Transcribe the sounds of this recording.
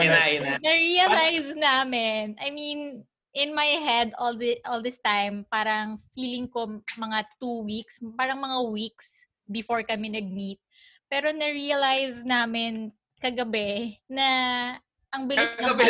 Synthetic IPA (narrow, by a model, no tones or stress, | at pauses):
ɪnajnanɐɹiɐlajznaːmɪnɐjmin | ʔɪnmajɦɛd̪old̪ɪʔɔlˠd̪ɪst̪ajmpaːɾɐŋfiːlɪŋko̞mɐŋat̪uwikspaːɾɐŋmɐŋawiks | bɪfoɹkɐmɛnɐɡ̚mit̪̚ | pɛːɾo̞nɐɹiɐlajznaːmɪn | kɐɡɐbɛnɐ | ʔɐŋbɪlɪsɐɡɐbɛ